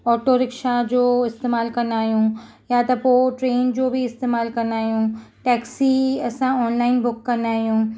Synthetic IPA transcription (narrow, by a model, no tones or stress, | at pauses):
ɔːʈoɾɪkʃad͡ʑoːɪst̪eːmaːlkɐnaːɦijũ | jat̪ɐpoːʈɾeːnd͡ʑoːbʱiɪst̪eːmaːlkɐnaːɦijũʈɛːksiɐsãɔːnlaːɪnbʊkːɐnaːɦijũː